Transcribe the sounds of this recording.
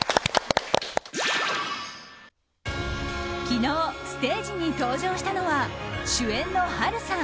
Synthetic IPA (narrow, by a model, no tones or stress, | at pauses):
kʲino̞ːsɨ̥t̪e̞ːd͡ʑiɲ̟it̪o̞ːʑo̞ːɕi̥t̪ano̞βaɕɨẽ̞nːo̞haɾɯ̟sã